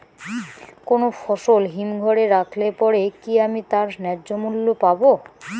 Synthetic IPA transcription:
konofɔʃolɦimɡʱɔɾeɾakʰlepɔɾekiamit̪aɾnɛd͡ʑomulːopabo

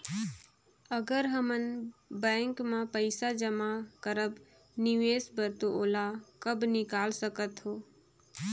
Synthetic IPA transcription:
əɡəɾɦəmənbɛ̃ːŋkmãpəɪsad͡ʒəmakəɾəb | nɪʋeːsbəɾt̪oʔoːlakəbnɪkaːlsəkət̪ɦoː

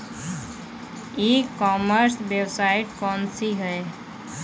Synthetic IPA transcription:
ekɔːməɾsʋjewsaːɪʈkɔːnsiɦɛe

